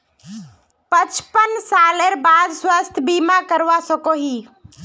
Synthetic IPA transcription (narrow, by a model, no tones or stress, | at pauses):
pət͡ʃpənsaleɾbad̪swast̪ʰbimakəɾʋasəkoɦi